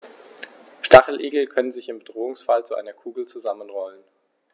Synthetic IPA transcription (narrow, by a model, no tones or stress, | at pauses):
ʃtaχl̩ʔeːɡl̩kʰœnənzɪçɪmbədʁoːʊŋsfalt͡suʔa̰ɪnɐkʰuːɡl̩t͡suzamənʁɔlən